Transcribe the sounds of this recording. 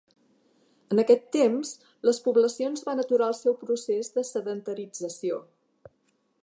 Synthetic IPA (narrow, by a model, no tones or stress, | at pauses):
ənəkɛt̪ːems | ləspuβləsionzβanət̪uɾaəlˠsɛwpɾusezðəsəðənt̪əɾid͡zəsio